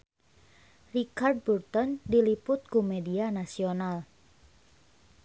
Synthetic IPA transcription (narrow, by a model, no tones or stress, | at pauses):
rikard̚burt̪ɔndilipʊt̪̚kumedianasional